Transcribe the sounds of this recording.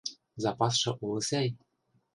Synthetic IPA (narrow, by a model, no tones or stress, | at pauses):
zɑpɑsʃɤ̆ʔulɤ̆sʲæj